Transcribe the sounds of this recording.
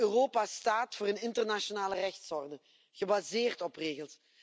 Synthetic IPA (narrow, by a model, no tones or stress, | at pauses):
øroːpastaːtfʊːɾənɪntərnaʃonaːlərɛxtsɔrdə | ɣəbazeːrtɔpreːɣəlˠs